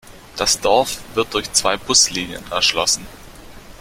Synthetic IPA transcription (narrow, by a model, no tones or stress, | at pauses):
d̥asd̥ɔɐfv̥ɪɐt̚d̥ʊɐçt͡sv̥aɪbʊsliːnjə̰nɛ̰ɐʃlɔ̰sn̩